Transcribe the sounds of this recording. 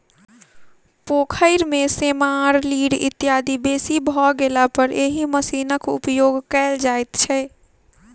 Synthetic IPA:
poːkʰəɪɾmesemaɾliːɽɪ̰t̪ːjaːd̪ibeːsibʱɔɡelapəɾeɦiməsiːnəkʊ̰pjoːɡkɛːld͡ʒaːjt̪t͡ʃʰɛ

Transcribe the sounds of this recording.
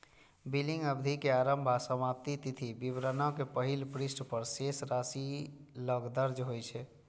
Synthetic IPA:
biliŋɡəbd̪ʱikeaɾəmbʱasəmap̚t̪it̪it̪ʰibibɾənakepəɦilpɾisʈpəɾsesɾasiləɡd̪əɾd͡ʒɦojt͡ʃʰɛ

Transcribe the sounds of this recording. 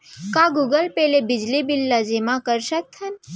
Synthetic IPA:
kãɡuɡəlpelebɪd͡ʒlibilːad͡ʒemãkəɾʃək̚t̪ʰən

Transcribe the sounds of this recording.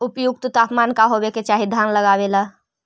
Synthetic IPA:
ʊpjuɡt̪ot̪aːpmaːnkaɦoːʋeket͡ʃaːɦid̪ʱaːnləɡaːʋelaː

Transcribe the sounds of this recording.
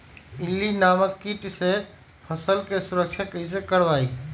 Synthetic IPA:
ilːinaməkːiʈse | pʰəsəlkesuɾəkt͡ʃʰakəis̬ekəɾbai

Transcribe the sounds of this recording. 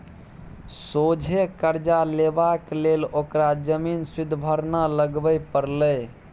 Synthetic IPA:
sod͡ʒʱekəɾd͡ʒalebaklelokɾad͡ʒəminsid̪ʱbʱəɾnaləɡbəjpəɾlə

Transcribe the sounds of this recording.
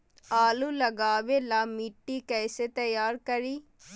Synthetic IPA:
aːluːləɡaːʋeːlaːmiːʈːiːkɛːseːt̪əjaːɾkəɾiː

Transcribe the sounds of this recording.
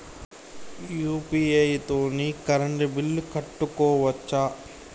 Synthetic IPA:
juːpiːɐjt̪oːnikɐɾɐɳɖibilːukɐʈːukɔːʋɐt͡ʃːaː

